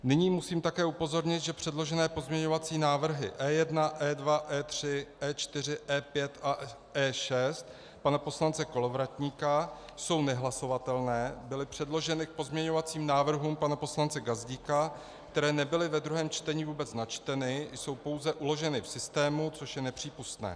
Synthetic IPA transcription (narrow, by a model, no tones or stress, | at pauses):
nɪɲiːmusiːmt̪akɛːupo̞zo̞ɾɲɪt̪ʒɛpr̥ɛdlo̞ʒɛnɛːpo̞zmɲɛɲo̞vat͡siːnaːvr̩ɦɪ̰ʔɛːjɛdnaʔɛːdvaʔɛːt̪r̥ɪʔɛːt͡ʃt̪ɪr̝ɪʔɛːpjɛt̪ʔa | ɛːʃɛst̪̚ | panapo̞slant͡sɛko̞lovɾat̪ɲiːkajso̞wnɛɦlaso̞vat̪ɛlnɛːbɪlɪpr̝̥ɛdlo̞ʒɛnɪk̚po̞zmɲɛɲo̞vat͡siːmnaːvr̩ɦuːmpanapo̞slant͡sɛɡazɟiːka | kt̪ɛɾɛːnɛbɪlɪvɛd̪ɾuɦɛːmt͡ʃt̪ɛɲiːvuːbɛt͡snat͡ʃt̪ɛnɪjso̞wpo̞wzɛʔulo̞ʒɛnɪfsɪst̪ɛːmut͡so̞ʃjɛnɛpr̝̥iːpust̪nɛ̰ː